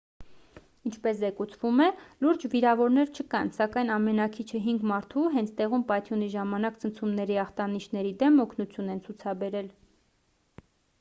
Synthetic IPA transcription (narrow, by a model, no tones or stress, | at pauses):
int͡ʃʰpɛszɛkut͡sʰvumɛluɾd͡ʒviɾɑvɔɾnɛɾt͡ʃʰəkɑnsɑkɑjnɑmɛnɑkʰit͡ʃʰəɦiŋɡmɑɾt̪ʰuɦɛnt͡sʰt̪ɛʁumpɑjt̪ʰjuniʒɑmɑnɑkt͡sʰənt͡sʰumnɛɾiɑχt̪ɑniʃnɛɾid̪ɛmɔkʰnut͡sʰjunɛnt͡sʰut͡sʰɑbɛɾɛl